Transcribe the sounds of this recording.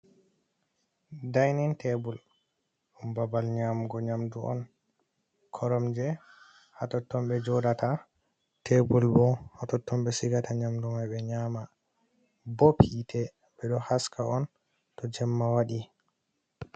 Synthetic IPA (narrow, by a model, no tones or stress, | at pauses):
dajnɛntebul | umbabalɲamɡɔɲamduʔɔ̰n | kʰɔɾɔmd͡ʒɛ | hatɔtːɔmbɛd͡ʒɔdata | tʰebulbɔhatɔtːɔmɓɛsiɡataɲamdumajbɛɲaːma | bɔpʰitʰɛ | bɛɗɔhaskaɔn | tɔd͡ʒɛmːawaɗi